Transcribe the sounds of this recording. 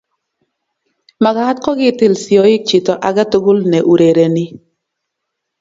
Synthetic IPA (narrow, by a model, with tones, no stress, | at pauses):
ma˨ɡa˦t̚kɔ˦ɡɪ˦tɪ˨lsjɔ˨ɪ˦k̚t͡ʃi˨tɔ˨ʔa˨ɡa˦tʊ˦ɡʊ˦lnɛ˨ʔu˨ɾe˨ɾe˨nɪ˦